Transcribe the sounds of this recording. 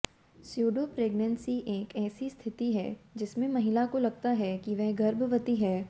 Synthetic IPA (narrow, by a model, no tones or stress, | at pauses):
sjuːɖoːpɾeːɡnə̃nsiʔeːkɛːsist̪ʰɪt̪iɦɛ̰ːd͡ʒɪsmẽmɐɦɪlakolɐɡ̚t̪aɦɛkiʋɛɦɡɐɾbʋət̪iɦɛː